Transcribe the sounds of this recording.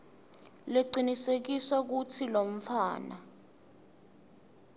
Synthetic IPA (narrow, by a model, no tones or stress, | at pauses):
leǀinisek̬isak̬utʰilom̩faːna